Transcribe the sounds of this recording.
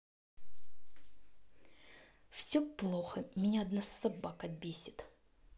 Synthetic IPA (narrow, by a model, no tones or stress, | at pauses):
fsʲɵplˠoxəmʲɪnʲaɐd̪nasːɐbakɐbʲesʲɪ̥t̪